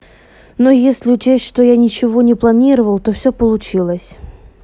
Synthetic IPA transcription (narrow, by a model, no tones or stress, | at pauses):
nojesʲlʲɪʊt͡ɕesʲtʲʂt̪ɔjanʲɪt͡ɕɪvonʲɪplˠanʲiɾəvəlˠt̪ofsʲopəlˠʊt͡ɕilˠəsʲ